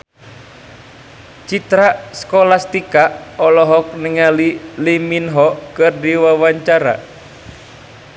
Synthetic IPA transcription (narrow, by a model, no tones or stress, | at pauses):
t͡ʃit̪ɾaskɔlast̪ikaɔlɔɦɔk̚niŋaliliminɦɔkɨrdiwawaɲt͡ʃaɾa̰